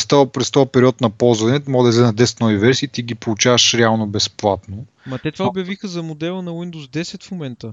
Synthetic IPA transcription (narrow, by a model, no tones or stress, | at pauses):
st̪apɾɛst̪ɔpɛɾiɔt̪nɐpɔlˠzvɐnɛt̪mɔɡd̪ɐzɛnɐd̪ɛsɛ̥t̪nɔvivɛɾsʲiːt̪iɡʲipolˠut͡ʃavəʃɾɛalˠnobɛsplˠat̪no | mɐt̪ɛt̪vaobjɐvixəzɐmod̪ɛlˠənɐwind̪oszd̪ɛsɛt̪fmomɛnt̪ə